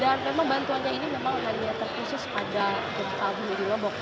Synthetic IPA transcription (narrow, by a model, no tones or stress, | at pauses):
danmemaŋbant̪uanɲainimemaŋɦaɲat̪ərkusʊspada | d͡ʒɔmt̪aɦʊnadilɔbɔk̚